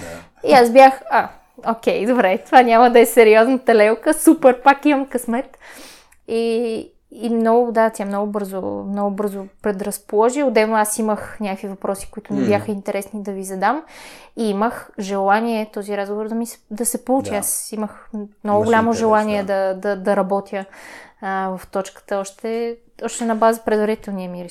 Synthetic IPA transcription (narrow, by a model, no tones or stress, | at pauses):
iasbjaxa | okʲɛjd̪obɾɛt̪ovanʲaməd̪ɐɛsɛɾiɔznɐt̪ɐlɛlwkəsupɛɾpakimɐmkɐsmɛt̪ | iː | mnɔɡʊd̪at̪ʲjamnɔɡʊbɤɾzomnɔɡʊbɤɾzʊpɾɛd̪ɾɐspolˠɔʒiod̪ɛbnoasiməxnʲakəkvivɐpɾɔsi̥kʊit̪ʊnɛbʲjaxəint̪ɛɾʔɛsnid̪ɐvizɐd̪amiiməxʒɛlˠaniɛt̪ɔziɾazɡovoɾd̪ɐmisɛ̥d̪ɐsɛpout͡ʃiasiməxmnɔɡʊɡʊlʲamoʒɛlˠaniɛd̪ɐd̪ɐd̪ɐɾɐbɔt̪ʰʲjə | vɐft̪ɔt͡ʃkə̥t̪əɔʃt̪ɛ | ɔʃt̪ɛnɐbazəpɾɛd̪vɐɾit̪ɛlˠniəmiɾɛ